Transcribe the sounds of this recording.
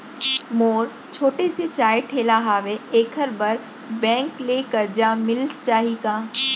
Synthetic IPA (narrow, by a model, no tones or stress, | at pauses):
moːɾ | t͡ʃʰoːʈeset͡ʃaːjeʈʰeːlaɦaːʋeeːkʰəɾbɐɾ | bɛ̃ːŋkleːkɐɾd͡ʒamɪlst͡ʃaːɦikaː